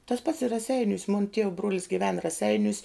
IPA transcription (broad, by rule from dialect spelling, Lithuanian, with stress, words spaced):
tɐs pɐts ɪ rɐˈsʲɛɪnʲuːs mʊn tʲiɛw bruɔlʲs ɡʲɪˈʋʲɛn rɐˈsʲɛɪnʲuːs